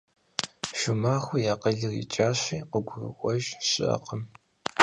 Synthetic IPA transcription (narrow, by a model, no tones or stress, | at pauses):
ʃʊmaːxʷʊjaːqəɮɨrḭt͡ʃʼaːɕʷiːqəɡʷʊrɨ̰ʔʷɔʒɕɪ̰ʔɐ̰qʰəm